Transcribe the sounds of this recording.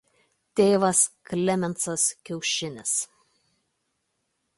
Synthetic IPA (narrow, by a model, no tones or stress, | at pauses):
t̪ʲeːʋɐsklʲɛmʲɛnt̪sɐskʲɛʊʃʲɪnʲɪs